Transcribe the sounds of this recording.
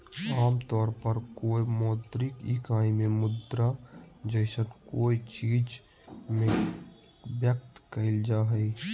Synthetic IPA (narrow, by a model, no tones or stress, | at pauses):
aːmt̪ɔːɾpəɾkoːimɔːt̪ɾɪkikaːĩmẽmʊd̪ɾad͡ʒəɪsənkoːit͡ʃiːd͡ʒ | mẽ | bjək̚t̪kəɪld͡ʒaːɦɛi